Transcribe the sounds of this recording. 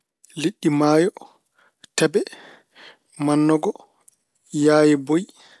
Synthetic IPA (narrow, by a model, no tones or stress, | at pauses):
liɗːimaːjɔ | tɛbɛ | manːɔɡɔ | jaːjɛboj